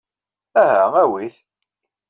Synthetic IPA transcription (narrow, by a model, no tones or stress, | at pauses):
æɦææwiθ